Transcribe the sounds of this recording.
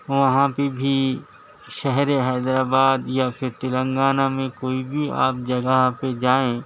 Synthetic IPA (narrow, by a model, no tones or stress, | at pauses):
ʋɐɦãpebʱi | ʃɛɦɾeɦɛːd̪ɾaːbaːd̪japʰɪɾt̪ɪlə̃ŋɡaːnamẽkoːibʱia̰ːp̚d͡ʒɐɡəɦped͡ʒaːẽː